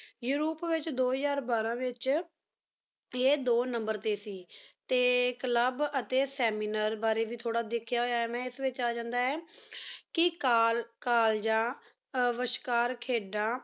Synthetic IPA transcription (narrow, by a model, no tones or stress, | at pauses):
juːɾuːpʋɪt͡ʃd̪oːɦzaːɾbaːɾãːʋɪt͡ʃ | eːd̪oːnəmbəɾt̪eːsiːt̪eːkələbət̪eːsɛːmiːnaːɾbaːɾeːʋiːt̪ʰoːɽaːd̪ɪkʰjaːɦoːjaːɛːmɛ̃ːɪsʋɪt͡ʃaːd͡ʒãːnd̪aːɛːkɪkaːlkaːld͡ʒãː | ʋəʃkaːɾkʰeːɖãː